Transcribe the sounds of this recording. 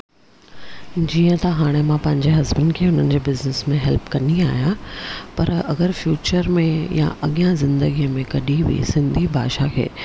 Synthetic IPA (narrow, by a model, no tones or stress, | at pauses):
d͡ʑiːə̃t̪ɐɦaːɽ̃emãpɐ̃ɦɪ̃ɲd͡ʑeɦɐzbən̆kʰeːʊn̤ənɪ̆d͡ʑeːbɪznɪsmẽɦɛlpkɐniaːjapɐɾɐ̰ɡəɾfjuːt͡ɕəɾmẽjã̰ʔɐɠijãzɪ̃nd̪əɡijmẽkɐɗibʱḭsɪ̃nd̪ʱibʱaːʃakʰḛː